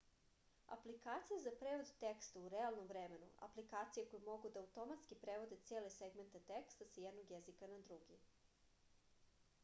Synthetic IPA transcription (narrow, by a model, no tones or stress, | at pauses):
a̰plikaːt̪sijazapɾeːʋod̪t̪ekst̪auɾealˠnomvɾeme̞nṵa̰plikaːt̪sijeko̞jumo̞ɡud̪aːut̪o̞mat̪skipɾeʋo̞d̪et̪seːle̞seɡme̞nt̪at̪ekst̪asajed̪noɡjezikanad̪ɾuɡi